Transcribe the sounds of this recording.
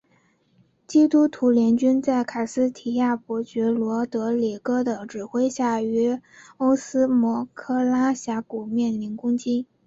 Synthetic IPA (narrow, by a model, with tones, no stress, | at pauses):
t͡ɕi˥t̪u˥t̪ʰu˧˥ljɛ˧˥nt͡ɕy˥nt͡sa˥˩ɪkʰa˨˩sɹ̩˥t̪ʰi˨˩ja˥˩pwɔ˧˥t͡ɕɛ˧˥lwɔ˧˥t̪ɤ˧˥li˨˩kɤ˥d̪ə˨ʈ͡ʂɻ̩˨˩xwe˥ɪɕja˥˩y˧˥o˥ʊsɹ̩˥mwɔ˧˥kʰɤ˥˧la˥ɕja˧˥ku˨˩mjɛ˥˩nli˧˥nkʊ˥ŋt͡ɕi˥